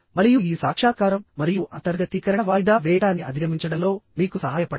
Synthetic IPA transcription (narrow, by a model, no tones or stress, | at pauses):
mɐɾijuiːsaːkʂaːkaːɾɐmːɐɾijuʔɐnt̪ɐɾɡɐt̪ikɐɾɐɳɐʋaːjid̪aːʋɛːjɐɽaːniʔɐ̰d̪inɐmiɲt͡ʃɐɽɐlo̞ːmiːkusɐɦaːjɐpɐɽ